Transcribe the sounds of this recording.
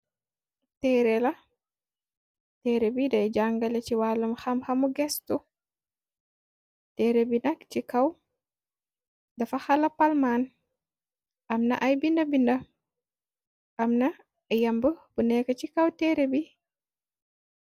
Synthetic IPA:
tɛːɾɛlɐ | tɛɾebidɐjɟaŋɡɐlɛciwalːɐmxɐmxɐmuɡɛstu | tɛːɾebinɐkt͡ʃikɐw | dɐfɐxɐlɐpalman | ʔɐmnɐ̰ʔajbindɐbindɐ | ʔɐmnɐ | jɐmbəbunɛkːɐt͡ʃikɐwtɛːɾebi

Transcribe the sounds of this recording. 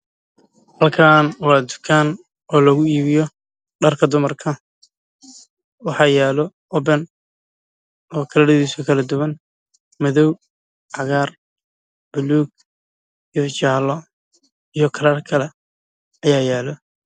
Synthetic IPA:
hɐlkʰaːnwɑːd̪ʊ̥kʰaːn | ɔːlɐɣʊiːβɪjɔ | ɖɐrkʰɐd̪ʊmɐrkʰɐ | wɑħɑːjaːlɔ | ɔbɛn | ɔːkʰɐlɐɽɐðiːsʊkʰɐlɐd̪ʊwɐn | mɐðɔw | ʕɑɣaːr | b̥ʊluːɡ̚ | ijɔt͡ʃaːlɔ | ijɞkʰɐlɐrkʰɐlɛ | ɐjaːjaːlɔ

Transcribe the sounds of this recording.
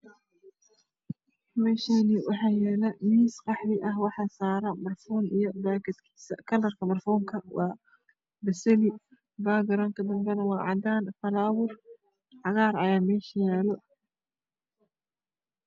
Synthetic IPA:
mɛːʃaniwɑħaːjɛːlɐmiːsqɑħɾɪʔɐɦwɑħɑːsaːɾɐmɐrfɔːnijɔbaːkɐd̪kʰi̥ːsɐ̰kʰɐlɐrkʰɐmɐrfɔːŋkʰɐwʔɑː | bɐsɛli | baːɡɐɾɐŋkʰɐd̪ɐŋɡɐnɐwɑːʕɑ̰d̪aːnfɐlaːwʊr | ʕɑɣaːɾˤɐjaːmɛːʃɐjaːlɔ

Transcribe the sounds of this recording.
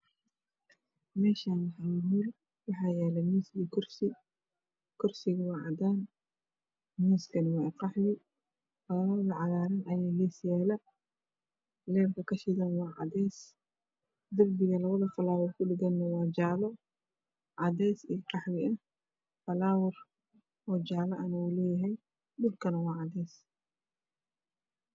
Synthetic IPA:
mɛːʃaːnwħajɪmɪl | wɑħɑːjɛːlɛmiːsɡikʰʊrsɪ | kʰʊrsɪɣɐwɑːʕɑd̪aːn | miːskʰɐnɪwɑːqɑħwɪ | ɐlaɐðɐʕɑɣaːɾɐnʔɐjaːlɛːsjaːlɐ | lɛːrkʰɐkʰɐʃɪɣɐnwɑːʕɑ̰d̪ɛːs | d̪ɐrbɪɣɐlɐβɐðɐfɐlaːwʊrkʰʊɖɪɡɐnːɐwɑːd͡ʒaːlɔ | ʕɑdɛːsḭːqɑħwɪʔɐh | fɐlaːwɐr | ɔːd͡ʒaːlɐʔɐnɐulɛːjɐɦɛj | d̪ʊlkʰɐnɐwɑːʕɑd̪ɛːs

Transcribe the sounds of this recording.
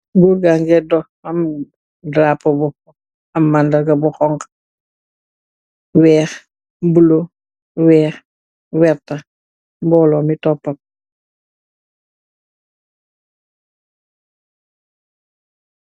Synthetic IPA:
ɡuɾɡaŋɡɛdɔ | ɐm | dɾaːpːɐbɔ | ɐmːandɐɡɐbuxɔŋk | wɛːx | bulo | wɛːx | wɛɾtɐ | mbɔːlɔmitɔpːɐk̚

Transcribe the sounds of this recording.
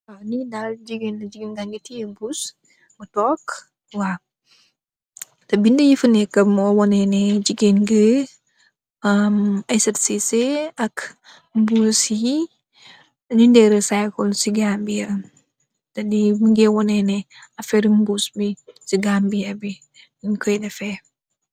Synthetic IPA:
anidad͡ʒiɡenɐd͡ʒiɡinɡaŋɡitijebus | mətɔk | wa | tɐbindəjifənɛkːɐmːɔwɔnɛnɛd͡ʒiɡinɡə | ɐmasɛtseseɐk | mbusji | ɲundɛɾəsajkɔlsiɡambijɐ | tɐdiməŋɡɛwɔnɛnɛ | ɐfɛɾimbusbisiɡambijɐbi | ɲkɔjdɐfɛ

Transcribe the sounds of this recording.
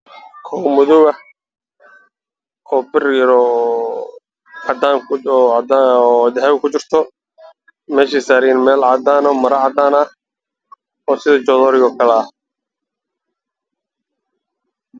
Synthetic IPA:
kʰɔwmʊðʊɣɐ | ɔːbɪrjɾɔ | ɑd̪aːŋkʊd̪aɔd̪ɪɦɛːβɪkʰʊt͡ʃɪrt̪ʰɔ | mɛːʃiːsaːɾinmɛːlʕɑd̪aːnɔmɐɾɐʕɑd̪aːnɐ | ɔːsɪðɐt͡ʃɔːðɔːɾɪɣɔːkʰɐlɛɐh

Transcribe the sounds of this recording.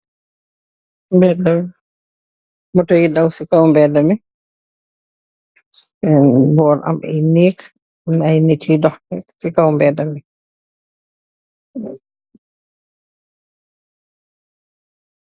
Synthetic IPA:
mbɛdam | mɔtɔjidawsikawmbɛdamɛ | ɛnbɔːɾʔa̰mbɛ̰jneːk | najnetiidɔxɛsikawmbɛdamɛ

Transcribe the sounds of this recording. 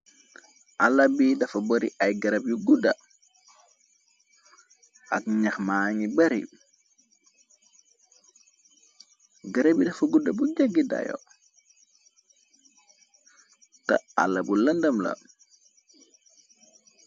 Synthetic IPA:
ʔalːɐbidɐfɐbɐɾḭʔajɡɐɾɐbjuɡudɐ | ʔakɲaxmaŋibɐɾḭ | ɡɐɾɐbidɐfɐɡudɐbuɟaɡida̰jɔ̰ | tɐ̰a̰lːɐbulɐndɐmlɐ̰

